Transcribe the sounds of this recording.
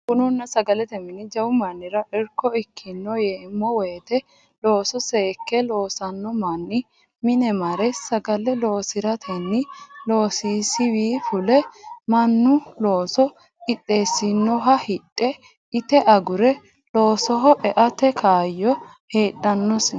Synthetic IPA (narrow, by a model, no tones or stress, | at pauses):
kʊnʊnːɐsɐɡɐlɛt̪ɛmɪnɪd͡ʒɐwʊmɐnːɪɾɐʔɛɾkːɔɪkʰːɪnːɔjeːmːɔweːt̪ɛ | loːsɔseːkːɛlo̞ːsɐnːɔmɐnːɪ | mɪnɛmɐɾɛsɐɡɐlɛlo̞ːsɪɾɐt̪ʰɛnːɪlo̞ːsiːsɪwiːfʊlɛmɐnːʊlo̞ːsɔ | ɪɗʼːe̞ːsːɪnːɔɦɐhɪɗːɛ | ɪt̪ɛʔɐɡʊɾɛ | lo̞ːsɔɦɔʔɛʔɐt̪ɛkʰaːjːɔ | heːɗːɐnːɔs